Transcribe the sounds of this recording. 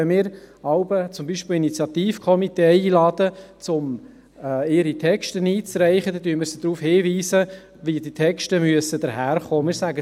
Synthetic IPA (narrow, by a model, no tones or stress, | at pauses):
ɛmɪːɾɑʊbət͡sʊmbiːʃpɪlinit͡sjɑt̪iːfkʰɔmit̪eːiːlɑːd̥̪ət͡sʊm | ɪɾit̪ʰɛkʃtəniːt͡sɾɛɪχəd̪ɛdyəmɪɾsəd̥ɾuːfhɪːʋiːsə | ʋidit̪ʰɛkʃtəmyəsəd̥̪əɾhæːɾχoːmɪːɾsæɡə